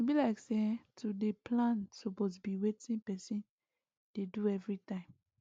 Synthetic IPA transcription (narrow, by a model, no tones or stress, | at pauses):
ebilaɪksetʰudeplãnsopos̬biwetĩnpɛsĩn | d̥eduɛvɹitãɪ̃m